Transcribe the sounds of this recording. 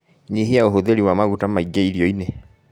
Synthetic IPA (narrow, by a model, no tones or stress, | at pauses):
ɲiɦeaoɦoðeɾiwamaɣutamaiɡeiɾiɔine